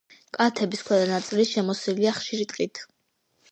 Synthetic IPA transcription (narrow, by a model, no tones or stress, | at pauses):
kʼat̪ʰɛbiskʰwɛd̪anat̪sʼiliʃɛmɔsiliaχʃiɾit̪ʼqʼit̪ʰ